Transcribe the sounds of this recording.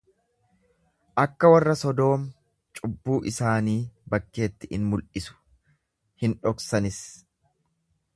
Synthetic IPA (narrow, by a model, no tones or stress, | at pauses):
ʔɐkːɐwɐrːɐsɔd̪o̞ːm | t͡ʃʼʊbːuːʔɪsaːniːbɐkːe̞ːt̪ːɪɪ̰nmʊlʔɪsʊ̥ | hɪnᶑɔksɐnɪs